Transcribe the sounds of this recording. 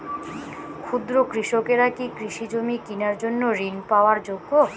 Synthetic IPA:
kʰud̪ɾokɾiʃokeɾakikɾiʃid͡ʑomikinaɾd͡ʑonːoɾinpaoaɾd͡ʑoɡːo

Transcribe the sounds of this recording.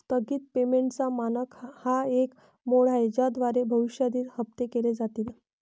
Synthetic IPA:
t̪əɡiːt̪̚pemeɳʈt͡samanəkhaek | moɽ̤ajd͡ʑad̪ʋaɾebʱəʋiʂjad̪iːɾhəp̚t̪ekeled͡zat̪iːl

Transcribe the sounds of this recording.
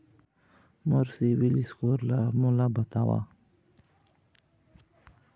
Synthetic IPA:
moɾsiwiliskoɾlamulabat̪awa̰

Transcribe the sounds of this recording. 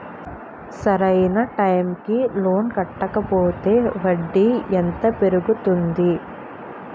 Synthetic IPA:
sɐɾɐjnɐʈɐjmkilo̞ːnkɐʈːɐkɐpoːt̪e̞ːʋɐɖːiɛnt̪ɐpe̞ɾuɡut̪und̪i

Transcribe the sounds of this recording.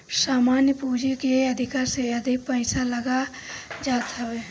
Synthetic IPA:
samanjəpud͡ʒikeəd̪ʱikaɾseəd̪ʱik̚pəɪsaləɡa | d͡ʒat̪ʰəbe

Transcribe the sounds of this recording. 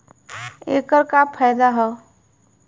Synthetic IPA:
eːkəɾkapʰɛːjd̪aɦɛ

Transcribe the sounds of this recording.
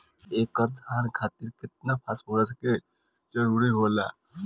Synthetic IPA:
eːkəɾd̪ʱaːnkʰaːt̪iɾkɪt̪̚napʰaːsmoɾəske | d͡ʒəɾuːɾiɦola̰ː

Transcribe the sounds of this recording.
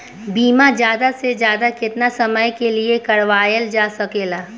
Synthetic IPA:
biːmad͡ʒjaːd̪asezjaːd̪akɪt̪nasɐməjkeliekɐɽʋaːjəld͡ʒaːsɐkeːlaː

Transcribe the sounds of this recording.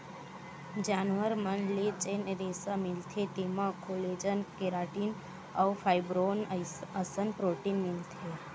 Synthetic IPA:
d͡ʒaːnʋəɾmənlet͡ʃeːneɾeːsamɪlt̪ʰet̪emãkoːleːd͡ʒənkeɾaːʈiːn | awfʰaːɪbɾoːnəsənpɾoːʈinmɪlt̪ʰe

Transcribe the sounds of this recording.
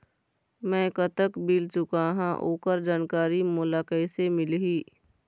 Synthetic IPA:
mɛ̃ːkət̪əkbilt͡ʃʊkaɦã̰ʔo̰ːkəɾd͡ʒaːnkaːɾimʊlaːkəɪsemɪlɦiː

